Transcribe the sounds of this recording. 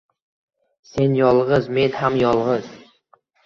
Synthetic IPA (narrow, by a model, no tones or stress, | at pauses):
se̞njɒlˠʁɨzme̞nhamjɒlˠʁɨz̥